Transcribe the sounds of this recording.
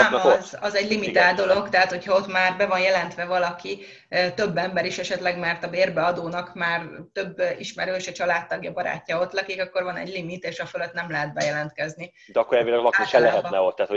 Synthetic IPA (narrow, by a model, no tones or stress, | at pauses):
zɒzɛɟlimit̪aːld̪o̞lo̞kt̪ɛɦat̪ho̞cʰhɒo̞t̪maːrbɛvɒnjɛlɛnt̪ʋɛvɒlɒki | t̪ø̞bːɛmbɛɾiʃɛʃɛt̪lɛɡmɛrt̪ɒbeːrbɛɒd̪oːnɒkmaːrt̪ø̞bːiʃmɛɾøːʃɛt͡ʃɒlaːt̪ːɒɡjɒbɒɾa̰ːcːɒo̞t̪lɛkikɒkːo̞rvɒnɛ̰ɟlimit̪eːʃɒføløt̪nɛmlɛɦɛd̪̚bɛjɛlɛnt̪kɛzni | d̪ɛɒkːoɾɛːvilɛɡɒlɒkiʃɛlɛɦɛt̪nɛot̪ːɛaːt̪ho